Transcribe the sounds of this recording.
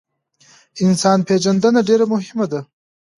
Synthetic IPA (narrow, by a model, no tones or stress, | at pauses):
ɪnsɑnped͡ʒand̪ənaɖeɾamʊɦɪmad̪a